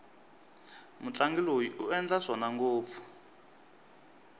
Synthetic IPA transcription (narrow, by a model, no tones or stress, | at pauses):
mut͡ɬaŋɡilojiʔuɛnd͡ɮaʂɔnaŋɡoːp̪fu̥